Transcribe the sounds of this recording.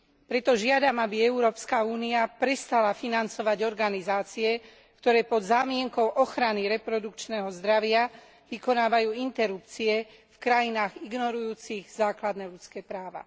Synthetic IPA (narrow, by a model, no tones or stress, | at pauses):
pɾɛt̪ɔʒɪad̪amabiɛuɾɔːpskauːniapɾɛst̪alafinant͡sɔʋaɟɔɾɡanizaːt͡siɛ | kt̪ɔɾɛːpɔd̪zaːmɪɛŋkɔʊʔɔxɾaniɾɛpɾɔd̪ukt͡ʃnɛːɦɔzd̪ɾaʋɪa | ʋikɔnaːʋajuːint̪ɛɾupt͡siɛ | fkɾajinaːɣiɡnɔɾujuːt͡siɣzaːklad̪nɛːlut͡skɛːpɾaːʋa̰